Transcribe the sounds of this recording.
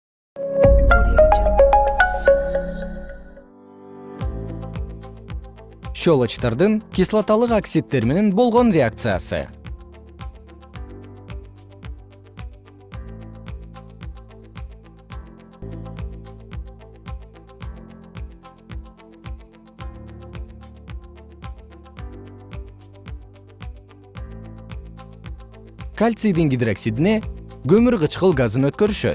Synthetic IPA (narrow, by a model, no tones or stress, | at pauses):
ʃolˠot͡ʃt̪ɑɾd̪ɯŋkʲislˠat̪ɑlˠɯqaksʲit̪ːe̞ɾme̞ne̞nbo̞lˠʁo̞nrʲeak̚t̪sɨja̰sɯ̰ | kalʲt̪sid̪iŋɡʲid̪ɾaksʲid̪ineɡømyɾʁət͡ʃqɯlˠɡazɯnøt̪̚køɾyʃø̰t̪